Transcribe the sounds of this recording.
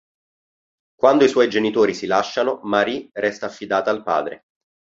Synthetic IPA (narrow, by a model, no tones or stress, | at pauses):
kwand̪oiswɔjd͡ʒenit̪oːɾisilaʃːanomaɾirɛst̪aːfːid̪aːt̪aːlpa̰ːd̪ɾḛ